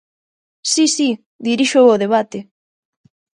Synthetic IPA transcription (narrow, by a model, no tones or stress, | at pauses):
sisi | ðiɾiʃooð̞eβ̞at̪e